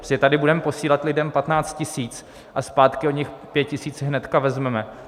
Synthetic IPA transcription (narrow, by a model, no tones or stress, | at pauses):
sɪt̪adɪbudɛmɛpo̞siːlat̪lɪdɛmpat̪naːt͡st̪̚cɪsiːt͡s | ʔaspaːt̪kɪoɲɪxpjɛt̪̚cɪsiːt͡sɦnɛt̪kavɛzmɛmɛ